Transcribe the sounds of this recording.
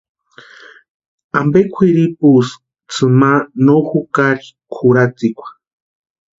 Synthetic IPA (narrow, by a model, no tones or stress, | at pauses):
ambekʷʰiɾipus | t͡sʰɨmanoxukaɾikʰuɾat͡sikʷḁ